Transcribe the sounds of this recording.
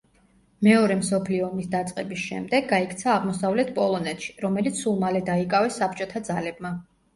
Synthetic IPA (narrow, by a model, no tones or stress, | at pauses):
mɛɔɾɛmsɔpʰliɔːmisd̪at̪sʼqʼɛbisʃɛ̰md̪ɛɡːaikʰt̪sʰaːʁmɔsavlɛt̪̚ʰpʼɔlˠɔnɛt̪ʰʃi̥ɾɔmɛlit̪sʰulˠmalɛd̪aikʼavɛsːap̚ʰt͡ʃʼɔt̪ʰad̪zalɛb̚ma